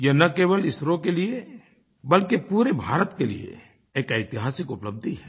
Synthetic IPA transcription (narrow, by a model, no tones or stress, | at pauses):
jɐnɐkeːwəlɪsɾõkelie | bɐlkepuːɾebʱaːɾət̪kelḭḛ | eːkɛɪt̪ɪɦaːsɪkʊpləb̚d̪ʱiɦɛː